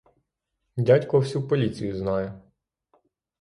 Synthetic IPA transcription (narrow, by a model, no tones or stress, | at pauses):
dʲatʲkɔwsʲupɔlʲit͡sʲijʊznɑjɛ